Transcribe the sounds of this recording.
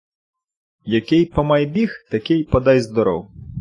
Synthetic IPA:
jɐkɪjpɔmɐjbʲixt̪ɐkɪjpɔd̪ɛjzd̪ɔɾɔ̰w

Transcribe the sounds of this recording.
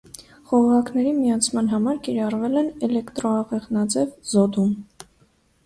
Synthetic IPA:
χɔʁɑkʰnɛɾimijɑt͡sʰmɑnɦɑmɑɾkiɾɑrvɛlɛnɛlɛkt̪ɾɔɑʁɛʁnɑd͡zɛvzɔd̪um

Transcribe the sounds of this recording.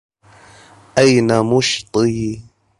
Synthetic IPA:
ʔajnamʊʃt̪ˤɨ

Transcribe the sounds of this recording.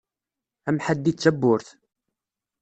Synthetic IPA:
æmħad̪ːit͡sːæbːʊɾθ

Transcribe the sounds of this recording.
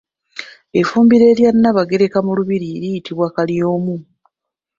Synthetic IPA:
e̞fuːmbiɾe̞ːɾjanːaβaɡe̞ɾe̞kamuluβiɾiɾijitiβwakaljo̞ːmu

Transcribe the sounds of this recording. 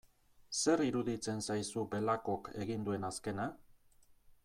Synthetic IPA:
se̞ɾiɾuðit͡se̞nsajsube̞lako̞ke̞ɣind̪ue̞naske̞na

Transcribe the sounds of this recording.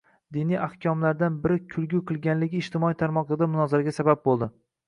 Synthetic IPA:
d̪ɪnijʔahkʲʰɒmlaɾd̪anbɪɾɪkʲʰʊlɡʲʊqʰɨlˠɡʲanlɪɡʲɪːʃt̪ʰɪmɒit̪ʰaɾmɒqˠɨd̪amʊnɒzɪɾaɡʲasabab̚bolˠd̪ɪ

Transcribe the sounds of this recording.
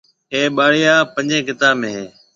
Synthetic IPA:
ɦeːɓaːɽɪjaːpə̃ɲd͡ʒẽːkɪt̪aːbmẽːɦeː

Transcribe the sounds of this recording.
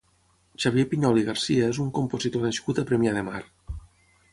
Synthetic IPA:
t͡ʃaβjepiɲɔliɣaɾsiaezuŋkompozit̪oðeskut̪epɾemjaðema̰ɾ

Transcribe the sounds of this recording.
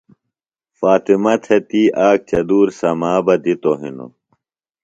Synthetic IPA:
faːt̪imɐt̪ʰet̪iːʔaːk̚t͡ɕɐd̪uːɾsɐmaːbɐd̪it̪oɦḭno̰

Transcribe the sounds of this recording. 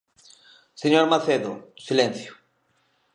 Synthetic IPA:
seɲoɾmaθeðʊsilẽn̟θjʊ̥

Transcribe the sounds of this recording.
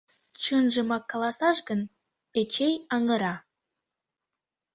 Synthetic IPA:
t͡ɕənʒə̆mɑkːɑlˠɑsɑʃɡən | et͡ɕejɑŋə̆ɾɑ

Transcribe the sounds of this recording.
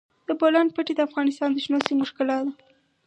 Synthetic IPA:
d̪əbolan̚pəʈed̪əafɣɑnɪst̪ɑnd̪əʃnosimʊʃkɪlɑd̪a

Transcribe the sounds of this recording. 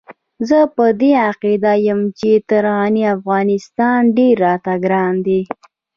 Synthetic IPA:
zəpəd̪eaqid̪ajəmt͡ʃet̪əɾɑniafɣɑnɪst̪ɑnɖeɾːɑt̪aɡɾɑnd̪i

